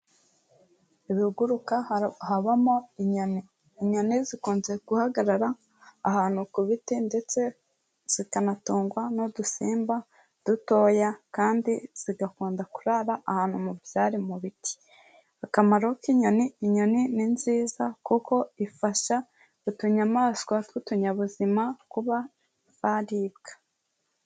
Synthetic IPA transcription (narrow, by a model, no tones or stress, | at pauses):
iβihuɡuɾukahaβamo̞iɲoniː | ɲo̞nizikuːnze̞ɡuhaɡaɾaɾaː | haːn̥hukuβitinde̞t͡se̞ | z̥ikanatuːŋɡwanodusiːmba | d̥uto̞ːjakaːndiz̥iɡakuːndakuɾaɾaʔahaːn̥humubjaːɾimuβiti̥ | akamaɾokiɲo̞niːɲo̞nininziːzakuko̞ifaʃa | utuɲamaːskwatwutuɲaβuzimakuβa | z̥aɾiːbɡ̥ḁ